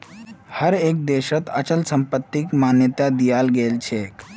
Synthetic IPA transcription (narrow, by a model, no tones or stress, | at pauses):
həɾek̚d̪eɕət̪ə̰t͡ɕəlsəmpət̪ːikmanjət̪ad̪ijalɡelt͡ɕʰek